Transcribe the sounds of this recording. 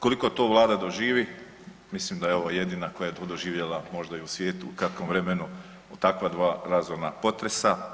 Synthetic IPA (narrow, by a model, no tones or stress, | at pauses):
ko̞liko̞t̪oːʋlˠaːd̪ad̪o̞ʒiːʋi | mislimd̪ajeo̞ʋoje̞d̪inakojajeod̪oʒiːʋjelˠamo̞ʒd̪aiusʋjeːt̪uːkɾat̪̚komʋɾemenu | ot̪akʋad̪ʋaːɾazoɾnapo̞t̪ɾe̞sa